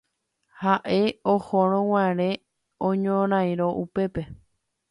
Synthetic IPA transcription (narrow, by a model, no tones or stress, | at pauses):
haʔe̞ohoɾ̃õw̃ãɾ̃ẽ̞ | õɲõɾ̃ãj̃ɾoʔupe̞pe̞